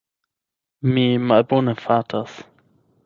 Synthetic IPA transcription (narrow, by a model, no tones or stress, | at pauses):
mimalbonəfaːtʰas